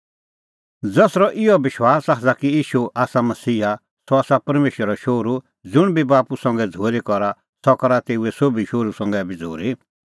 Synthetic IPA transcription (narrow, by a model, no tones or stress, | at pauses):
d͡zɐsɾɔʔɪjɔbɪʃwaːsaːɦd͡zakijiːʃuʔaːsamɐsiːa | sɔaːsapɐɾmeːʃəɾɔʃoːɾu | d͡zʊɽ̃bʱibaːpusɔ̃ŋ̆ɡɛd͡zʱoːɾikɔɾa | sɔkɔɾat̪eːuɛsobʱiʃoːɾusɔ̃ŋɡɛbʱid͡zʱo̰ːɾi